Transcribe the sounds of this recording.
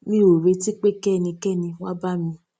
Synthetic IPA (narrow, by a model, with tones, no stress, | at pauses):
mĩ˦o˨ɾe˧ti˦k͡pe˦kɛ˦˨nĩ˧kɛ˦˨nĩ˧wa˦ba˦mĩ˧